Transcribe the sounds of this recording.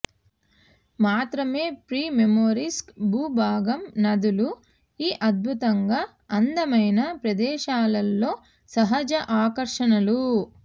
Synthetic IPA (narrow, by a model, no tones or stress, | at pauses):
maːt̪ɾɐme̞ːpɾiːmemoːɾiskbuːbʱaːɡɐmnɐd̪ulu | iːʔɐd̪̚bʱut̪ɐŋɡaː | ɐnd̪ɐmɐjnɐpɾɐd̪ɛːʃaːlɐlːo̞ː | sɐɦɐd͡ʒɐʔaːkɐɾʂɐnɐlu